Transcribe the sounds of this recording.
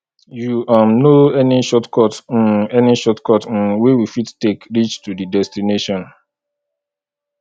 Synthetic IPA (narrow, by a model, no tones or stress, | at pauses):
juʔãmnoɛniʃɔtkɔt̩ɛniʃɔtkɔt̩wewifitːekɾit͡ʃtudidɛstineʃɔ̃n